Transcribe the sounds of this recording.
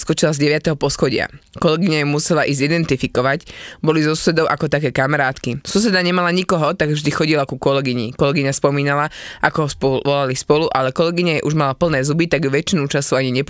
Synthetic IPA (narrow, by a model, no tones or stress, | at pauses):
skɔt͡ʃilazɟɛʋɪat̪ɛɦɔpɔsxɔɟɪa̰kɔlɛɡiɲajɛmusɛlaʔiːzid̪ɛnt̪ifikɔʋacbɔlizɔsu̥sɛd̪ɔʊʔakɔt̪akɛːkamɛɾaːt̪kisus̬ɛd̪aɲɛmalaɲikɔɦɔt̪aɡvʒd̪ixɔɟilakukɔlɛɡiɲḭkɔlɛɡiɲaspɔmiːnalaʔakɔɦɔspɔʋɔlalispɔluʔalɛkɔlɛɡiɲajɛʔuʒmalapl̩nɛːzubit̪aɡjuʋɛt͡ʃinut͡ʃasuaɲiɲɛp